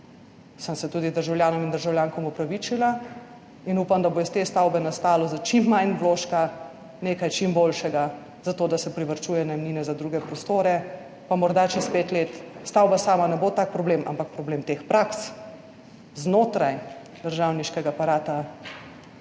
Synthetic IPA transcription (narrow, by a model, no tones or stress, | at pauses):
sənsɛt̪uːd̪id̪əɾʒawljaːnɔmind̪əɾʒawljaːŋkɔmupɾaʋit͡ʃila | inuːpamd̪abojɛst̪est̪awbɛnast̪aːlɔzat͡ʃimːajnʋloːʃka | neːkajt͡ʃimbolʃɛɡa | z̥at̪oːd̪asɛpɾiʋəɾt͡ʃuːjɛnajmniːnɛzad̪ɾuːɡɛpɾɔst̪oːɾɛ | pamɔɾd̪at͡ʃɛspeːt̪let̪st̪awbasaːmanɛbot̪ak̚pɾɔbleːmʔa̰mpak̚pɾɔbleːmt̪expɾaks | znoːt̪ɾaj | d̪̥əɾʒawniʃkɛɡapaɾaːt̪a